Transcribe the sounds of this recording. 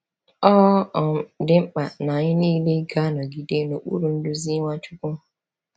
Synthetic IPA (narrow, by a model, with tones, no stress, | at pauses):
ɔ˦ɔ˨m̩˦dɪ˦ŋ͡m̩˦k͡pa˨na˨ɲɪ˦niː˦le˦ɡa˦nɔ˨ɡi˦de˦no˨k͡pṵ˦ɾu˨n̩˦dʊ˦zi˦ŋʷa˦t͡ʃʊ˦kʊ˦˨